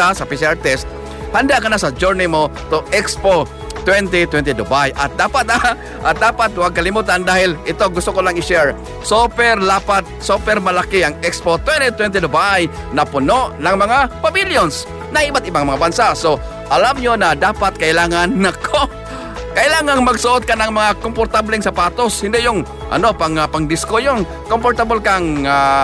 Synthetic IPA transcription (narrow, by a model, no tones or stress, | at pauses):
asapisaɹt̪ɛst̪̚ | hand̪aʔkɐnasɐd͡ʒuɹnɪmo | t̪oʔɛkspo | t̪wɛnt̪̬it̪wɛnt̪id̪ʊbajʔat̪̚d̪aːpat̪̚a | ʔat̪̚d̪aːpat̪̚waɡ̚kalɪmuːt̪and̪aːhɪlɪt̪oɡʊst̪ʊkolaŋɪʃɛɹ | sopɛrlapat̪̚sopɛrmalakɪaŋɛkspot̪wɛnt̪it̪wɛnt̪id̪ʊbaj | nɐpʊnoʔnɐŋmɐŋapabiljons | nɐɪbat̪ʔɪbaŋmɐŋabansaso | ʔɐlamɲonɐd̪aːpat̪̚kɐʔɪlaːŋanːɐkʰo | kɐʔɪlaːŋaŋmɐɡsʊʔot̪̚kanɐŋmɐŋakompoɾt̪ablɛŋsapaːt̪oshɪ̃nd̪ɪjʊŋ | ʔɐ̰nopaŋapaŋd̪ɪskojʊŋ | kompoɾt̪abolkaŋa